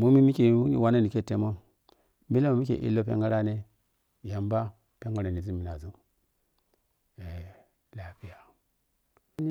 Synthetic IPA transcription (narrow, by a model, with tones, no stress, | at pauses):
mu˦mi˦mi˦ki˨u˦ḭ˨wa˦na˦ni˨ke˦˨te˨˦mo˦ | mbi˦lo˦ma˨mi˦kḛ˨ʔḭ˦lo˦pḛ˦ŋɡa˦ɾa˦ne˦˨ | ja˨mba˦ | pe˦ŋɡa˦ɾa˨ni˨zu˦mi˨na˨zu˦ | e˨ | la˨pi˦ja˨˦